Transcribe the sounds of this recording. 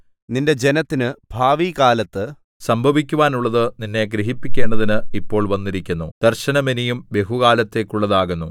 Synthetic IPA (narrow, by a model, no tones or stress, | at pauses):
ninde̞d͡ʑe̞nɐt̪ːinɨb̥ʱaːʋiːkaːlɐt̪ːɨ | sɐmbʱɐʋikʲːuʋaːnuɭːɐðɨninːe̞ɡɾiɦipːikʲːe̞ːɳɖɐðinɨipːo̞ːɭʋɐnːiɾikʲːunːud̪̥ɐrɕɐnɐminijumʋje̞ɦuɣaːlɐt̪ːe̞ːkʲːuɭːɐðaːɣunːu